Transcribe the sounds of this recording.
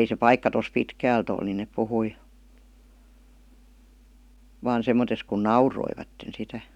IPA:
ei se pɑikːɑ tos pitkæːlt ol ni nep puhui ʋɑːn semˑotes kun nɑuroiʋɑtːen sitæ

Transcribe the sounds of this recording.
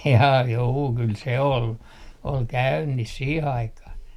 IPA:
jɑː juː kyl se ol ol kæynːis siːh ɑikɑh

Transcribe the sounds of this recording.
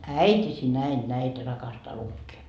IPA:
æitʲisi næin næitæ rɑkɑstɑː lukːeː

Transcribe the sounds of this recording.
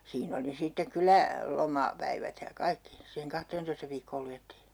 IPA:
siːn oli sitːek kylæ lomɑ pæiʋæt jɑ kɑikːi siːheŋ kɑhteːntoistɑ ʋiːkːoːl lujetːiː

